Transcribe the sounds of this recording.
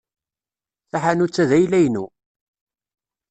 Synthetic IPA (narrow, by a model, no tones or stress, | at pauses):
θaħanut͡sːæðæjlæjnṵ